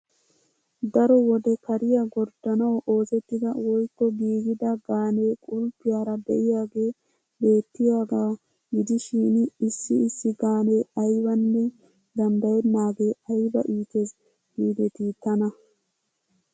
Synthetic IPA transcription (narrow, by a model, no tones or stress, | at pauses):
d̪ɐɾɔwɔd̪ɛkɐɾɪjaɡɔɾd̪ɐnɐwʔo̞ːsɛt̪ːɪd̪ɐwɔjkːɔɡiːɡɪd̪ɐɡaːne̞ːkʼʊlpːɪjaːɾɐbɛ̰ʔɪjaːɡe̞ː | be̞ːt̪ːɪjaːɡaː | ɡɪd̪ɪʃiːnɪsːɪɪsːɪɡaːne̞ːɐjbɐnːɛ | d̪ɐnd̪ɐjɛd̪naːɡe̞ːɐjbɐʔiːt̪es | ɡiːd̪ɛt̪iːt̪ːɐnɐ